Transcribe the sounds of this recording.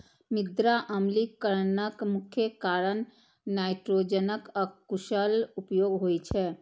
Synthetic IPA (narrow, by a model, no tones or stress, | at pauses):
mɪd̪ɾaʔəmlikəɾnəkmʊkʰjəkaːɾən | naːɪʈɾoːd͡ʒənəkɔkuʃəlupjoːɡɦoːit͡ʃʰɛ